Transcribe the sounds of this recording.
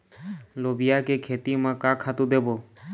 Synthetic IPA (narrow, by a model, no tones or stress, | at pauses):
lobijakekʰet̪imãkãkʰat̪ũd̪ebo